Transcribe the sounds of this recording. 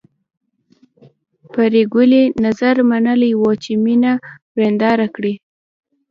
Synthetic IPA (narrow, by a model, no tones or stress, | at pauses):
paɾeɡʊlenazaɾmanəlajwot͡ʃeminawɾend̪ɑɾakɽi